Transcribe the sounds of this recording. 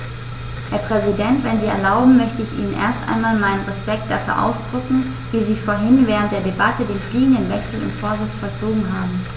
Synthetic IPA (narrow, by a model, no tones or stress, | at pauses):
heːɐpʁ̥ɛzidɛntv̥ɛnziːɛ̰ɐlaʊbm̩mœçtəɪçḭːnənʔḛːɐstʔa̰ɪnmaːlmaɪnənʁɛspɛk̚t̚d̥afyːɐʔa̰ʊsd̥ʁʏkŋ̩ | viːziːfoːɐɦɪnvɛːʁ̞ənt̚d̥eːɐdebatədeːnfliːɡŋ̩dənvɛksl̩ʊ̰ntfoːɐzɪt͡sfɔlt͡soːɡŋ̩ɦaːbm̩